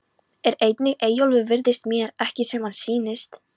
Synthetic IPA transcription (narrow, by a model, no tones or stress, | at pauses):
ɛɾejt̪nɪɣeːjowlvʏvɪɾðɪst̪mjɛːɾɛhcɪsɛmhansiːnɪst̪